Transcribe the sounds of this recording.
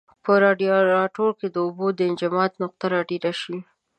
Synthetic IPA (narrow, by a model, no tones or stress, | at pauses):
pəɾɑɖijoɾɑʈoɾked̪əʊbod̪əɪnd͡ʒɪmɑt̪nʊq̚t̪aɾɑɖiɾaʃi